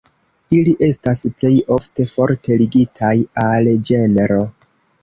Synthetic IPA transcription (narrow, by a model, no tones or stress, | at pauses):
iliʔe̞stasple̞jo̞fte̞fo̞ɾtʰe̞liɡitʰajald͡ʒe̞neɾo̞